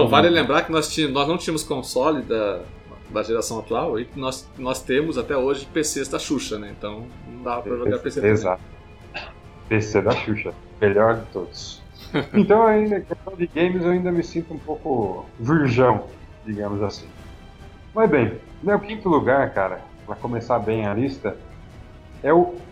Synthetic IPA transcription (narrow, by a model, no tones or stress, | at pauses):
ɐ̃valɪlẽmbɾaɾkɪnɔst͡ʃiɐnɔznɐ̃t͡ʃĩɐmʊskõsɔlɪd̪ɐ | d̪ɐʒeɾasɐ̃w̃at̪uawikɪnɔs | nɔst̪ẽmʊzat̪ɛoʒɪpesezd̪ɐʃuʃɐnɛẽnt̪ɐ̃w̃nɐ̃w̃d̪avɐppɾɐʒoɡaɾpeseezat̪ | pesed̪ɐʃuʃɐ | meʎɔɾd͡ʒɪt̪od̪ʊs | ẽnt̪ɐ̃w̃aĩnd̪ɐkest̪ɐ̃w̃d͡ʒ̪ɪɡẽj̃mɪzewaĩnd̪ɐmɪsĩnt̪ʊũpowkʊviɾʒɐ̃w̃ | d͡ʒiɡɐ̃mʊzasĩ | mɐjzbẽj̃newkĩnt̪ʊluɡaɾkaɾɐ̰ | pɾɐkomesabẽj̃ɐlist̪ɐ | ɛʊ